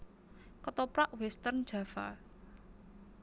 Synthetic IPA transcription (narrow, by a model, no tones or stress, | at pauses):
kət̪ɔpɾaʔwɛst̪ərn̥ʒ̥ä̤fa̰